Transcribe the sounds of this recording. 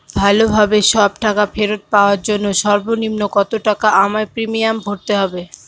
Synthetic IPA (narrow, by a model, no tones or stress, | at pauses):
bʱalobʱabeʃɔbʈakafʰeɾot̪̚paoaɾd͡ʑonːoʃɔɾbonimnokɔt̪oʈakaʔamaepɾimijamɡʱoɾt̪eɦɔbe